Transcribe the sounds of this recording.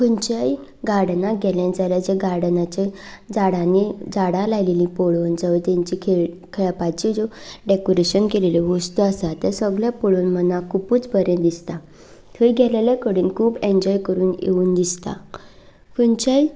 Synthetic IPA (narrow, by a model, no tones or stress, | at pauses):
fuɲt͡ɕaj | ɡaɾɽnãɡʱɛljãd͡zaljad͡ʑeɡaɾɽnat͡ɕed͡zaɽãnid͡zaɽãlajlelĩpoɭoːnd͡zəʋət̪ãɲt͡ɕikʰe | kʰeɭapat͡ɕid͡zoɖekoɾeɕənkeleleʋəst̪uasat̪əɾsəɡɭjapoɭuːnmənakʰupuːt͡sbəɾẽd̪ist̪a | t̪ʰəjɡʱɛleljakəɽuːnkʰuːbẽɲd͡ʑɔjkəɾuːnjḛuːnd̪ist̪a̰ | fuɲt͡ɕaj